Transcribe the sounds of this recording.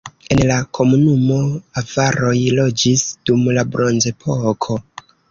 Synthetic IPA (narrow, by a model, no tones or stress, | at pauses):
e̞nlakʰo̞munumo̞avaɾo̞jlo̞d͡ʒisd̥umlabɾo̞nze̞pʰo̞kʰo̞